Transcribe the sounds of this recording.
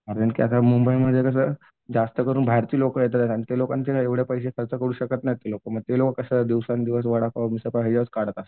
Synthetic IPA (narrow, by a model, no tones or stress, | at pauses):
aɾaɳkiasamumbəjməd̪ʱːjekəs̬əː | d͡zast̪əkəɾuːnbʱaɾt̪iːlokəjet̪at̪at̪aɽit̪elokant͡ɕelaeʋɽjapəjs̬ekʰəlt͡səkəɾuːɕəkət̪najt̪ːelokəməɡ̚t̪elokəkəsəd̪iʋsand̪iʋəs̬ʋəɽakamisəpad͡ʑaət͡skaɽ̤ət̪ast̪